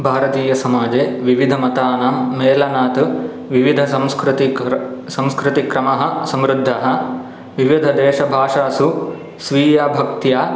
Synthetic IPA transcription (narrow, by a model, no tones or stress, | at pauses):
bʱaːɾɐt̪iːjɐsɐmaːd͡ʒeːʋiʋid̪ʱɐmɐt̪aːnamːeːlɐnaːt̪u | ʋiʋid̪ʱɐsɐmskɾt̪isɐ̃mskɾit̪ikɾɐmɐɦɐ̆sɐmɾud̪ʱːɐɦɐ̆ | ʋiʋid̪ʱɐd̪ɛːʃɐbʱaːʂaːsu | sʋiːjaːbʱɐk̚t̪jaː